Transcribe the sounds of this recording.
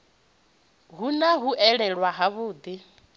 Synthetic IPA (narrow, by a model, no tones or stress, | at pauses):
ɦunaɦuʔɛɺɛɺwaɦaβʊːd̪i